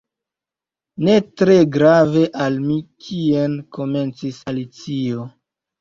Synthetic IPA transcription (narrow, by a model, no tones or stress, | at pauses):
ne̞tɾe̞ɡɾave̞ʔalmikʰienko̞me̞nt͡sisalit͡sio̞